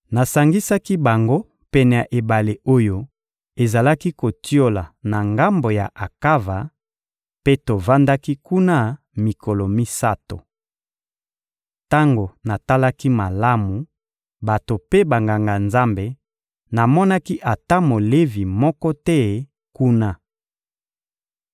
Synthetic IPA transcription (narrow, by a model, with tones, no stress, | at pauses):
na˨sa˨ŋɡi˦sa˦ki˦ba˨ŋɡo˦ | pɛ˨nɛ˨a˨ʔe˨ba˨le˨o˦jo˦ | e˨za˨la˦ki˦ko˨ti˦o˦la˨na˨ŋɡa˦mbo˨ja˨ʔa˨ka˦va˨ | pe˦to˨va˦nda˦ki˦ku˦na˦ | mi˨ko˨lo˨mi˦sa˦to̰˨ | ta˦ŋɡo˨na˨ta˦la˦ki˦ma˨la˦mu˨ | ba˨to˨pe˦ba˨ŋɡa˨ŋɡa˨nza˦mbe˨ | na˨mɔ˦na˦ki˦ʔa˨ta˦mo˨le˦vi˨mɔ˦kɔ˦tɛ˦ | ku˦na˦